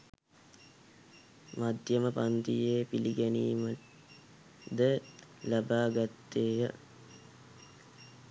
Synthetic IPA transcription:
mad̪ʱjəməpant̪ijeːpiliɡæniːmə | d̪əlabaːɡat̪ːeːjə

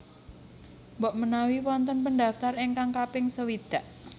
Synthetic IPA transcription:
mbɔʔmənawiwɔnt̪ɔnpəndaft̪areŋkaŋkapɪŋsəwid̪̥a̤ʔ

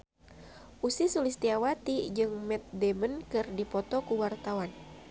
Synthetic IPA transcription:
ʔusisulist̪iawat̪id͡ʒɨŋmɛt̪̚dɛmənkɨrdipɔt̪ɔkuwart̪awan

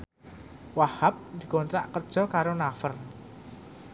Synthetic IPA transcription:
wahap̚d̪̥i̤ɡont̪ɾa̰ʔkərd̥ʒ̥ɔ̤kaɾonafər

